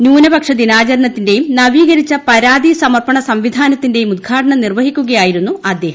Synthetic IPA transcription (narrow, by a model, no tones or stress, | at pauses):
njuːnɐbɐkʂɐd̪inaːt͡ɕɐɾɐɳɐt̪ːinde̞jumnɐʋiːɡɐɾit͡ɕːɐpɐɾaːd̪isɐmɐrpɐɳɐsɐmʋid̪ʱaːnɐt̪ːinde̞jumud̪̚ɡʰʱaːʈɐɳɐnirʋɐɦikʲːuɣɐjaːjiɾunːuʔɐd̪ːe̞ːhɐm